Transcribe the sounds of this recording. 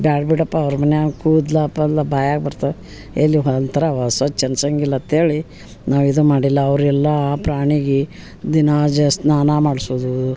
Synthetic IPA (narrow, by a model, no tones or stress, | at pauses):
bjaːɖbiʈɐpːɐːʋɾmɐnːeakuːd̪lɐpːɐlːɐbaːjaːɡbɐɾt̪a | elːiɦont̪ʰɐɾɐʋɐsɐt͡ʃɐnsɐŋɡilːɐt̪ʰeːɭi | naːʋid̪umaːɽilːɐɐʋɾɛlːɐpɾaːɳiɡe | d̪inad͡ʒɐsnaːnamaːɽsoːd̪u